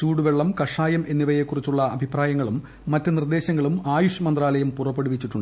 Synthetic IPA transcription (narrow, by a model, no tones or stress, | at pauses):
t͡ɕuːɽuʋeɭːɐmkɐʂaːjɐmʔe̞nːiʋɐje̞kːurit͡ɕːuɭːɐɐbʱipraːjɐŋːɐɭumː | ɐtːɨnird̪e̞ːɕɐŋːɐɭumaːjuʂɐmɐnd̪raːlɐjɐmpurɐpːeɽuʋit͡ɕːiʈːuɳɖ